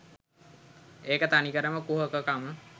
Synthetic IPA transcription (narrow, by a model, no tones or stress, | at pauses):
eːkət̪anikəɾəməkuɦəkəkamə